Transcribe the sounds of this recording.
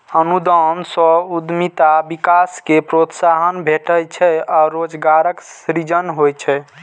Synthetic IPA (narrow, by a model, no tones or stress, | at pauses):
ənud̪ɔnsɔ̃ud̪mit̪abikaskepɾot̪saɦənbʱeʈəjt͡ʃʰɛɔɾod͡ʒɡaɾəksɾid͡ʒənɦojt͡ʃʰɛ